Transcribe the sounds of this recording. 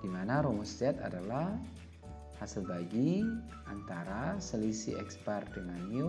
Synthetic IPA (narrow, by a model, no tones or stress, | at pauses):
d̥imanaɾɔmusd͡ʒɛt̪a̰dalah | hasilbaɡi | ʔant̪aɾasəlisḭɛ̰kspardəŋaniu